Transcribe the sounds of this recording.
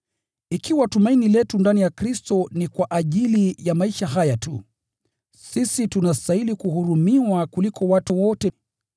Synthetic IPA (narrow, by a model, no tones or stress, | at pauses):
ikiwatumainilɛtundanijakɾistɔnikwaʔaʄilijamaiʃaɦajatṵ | sisitunastailikuhuɾumiwakulikʰɔwatuwɔtɛ